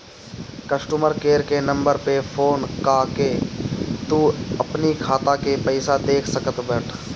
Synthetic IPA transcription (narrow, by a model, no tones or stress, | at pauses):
kəsʈuməɾkeːɾkenɐ̃mbəɾpepʰoːnkaːke | t̪uɐpnikʰaːt̪akepɛɪsad̪eːkʰsəkət̪bɛʈʰ